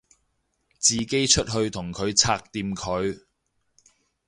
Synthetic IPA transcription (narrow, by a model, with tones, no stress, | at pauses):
t͡siː˨ke˥jt͡ʃʰɵ˥t̚ɦɵ˧ɥt̪ʰʊ˨˩ŋkʰɵ˨˧ɥt͡sʰaː˧k̚t̪iː˨˧mkʰɵ˨˧ɥ